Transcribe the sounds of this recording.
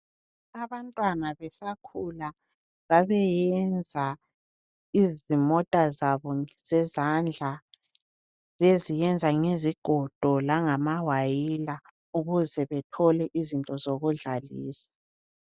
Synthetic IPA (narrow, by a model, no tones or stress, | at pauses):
aβantʼwanaβɛsakʰula | βaβɛjɛnd͡zʱa | izimɔtʼazaβɔz̥ɛzand͡ɮʱa | βezijɛnd͡zʱaŋeziɡ̥ʱɔd̥ʱɔlaŋamawajila | uɣuzɛβɛtʰɔlɛʔizintʼɔzoɣuɮalḭːsḁ